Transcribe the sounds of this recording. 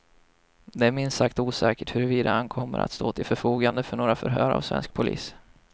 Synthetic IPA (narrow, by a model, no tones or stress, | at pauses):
d̪ɛæmɪnsakt̪uːsɛːkəʈhɵɾɵviːd̪aankʰɔmːəɾʔa̰t̪st̪oːt̪ʰɪlfœɾfuːɡand̪əfœɳoːɾafœɾɦœːɾa̰vsvɛ̰nsk̚pʰʊlḭːs